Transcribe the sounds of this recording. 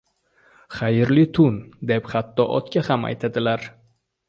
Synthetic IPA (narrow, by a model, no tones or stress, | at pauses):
χajɪɾlɪt̪ʰʊnd̪epχat̪ːɒʔɒ̰t̪kʲahama̰jt̪ʰad̪ɪlaɾ